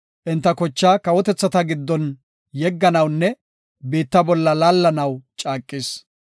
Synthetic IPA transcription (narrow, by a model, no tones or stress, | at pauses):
ʔɪnt̪ːɐkɔt͡ʃːaːkɐwɔt̪ɛt͡sːɐt̪ɐɡɪd̪ːɔn | jɛɡːɐnɐwnːɛ | be̞ːt̪ːɐbɔlːɐlaːlːɐnɐwt͡ʃʼaːkʼːɪs